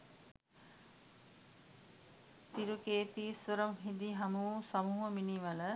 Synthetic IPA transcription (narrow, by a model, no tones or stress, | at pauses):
t̪iɾukeːt̪iːsʋəɾomɦid̪iɦɐmusɐmuːɦəminiʋɐlə